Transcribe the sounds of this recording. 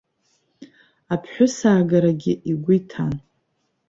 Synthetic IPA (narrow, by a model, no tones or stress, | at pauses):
apʰħʷᶣʊsaːɡaɾaɡʲɪʔiɡʷʊitʰan